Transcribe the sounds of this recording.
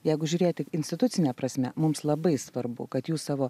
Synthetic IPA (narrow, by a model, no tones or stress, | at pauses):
jɛɪɡʊʒʲʊːɾʲeːjot̪ʲɪkɪnʲsʲt̪ʲɪt̪ʊt̪sʲɪnʲɛpɾɐsʲmʲɛmʊmslˠɐbɐɪsʋɐɾbʊ̰kɐt̪juːssɑːʋoː